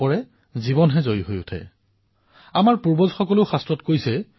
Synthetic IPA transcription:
ɔɹɛ | zibɔnɦɛzojiɦojʊtʰɛ̰ | amaɹpuɹbɔzxɔkɔloxastɹɔtkojsɛ

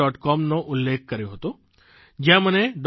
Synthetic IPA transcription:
ɔʈkɔmnoʔʊlːek̚ʰkəɾjõɦət̪o | d͡ʒjãməned̪

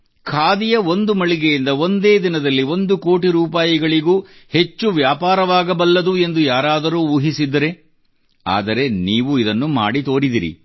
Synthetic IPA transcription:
kʰaːd̪ijɐo̞nd̪umɐɭiɡejind̪ɐo̞nd̪e̞ːd̪inɐd̪ɐlːio̞nd̪uko̞ːʈiɾuːp̬aːjiɡɐɭiɡuːhe̞t͡ʃːuʋjaːpaːɾɐʋaːɡɐbɐlːɐd̪ue̞nd̪ujaːɾaːd̪ɐɾuːuːɦisid̪ːɐɾe̞ | a̰ːd̪ɐɾe̞niːʋuid̪ɐnːuma̰ːɽit̪o̞ːɾid̪iɾḭ

